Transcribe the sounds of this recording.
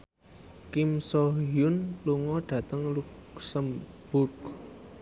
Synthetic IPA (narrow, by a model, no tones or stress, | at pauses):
kimsɔɦjʊnluŋɔɖ̥ä̤t̪əŋluksəmb̥ʊrk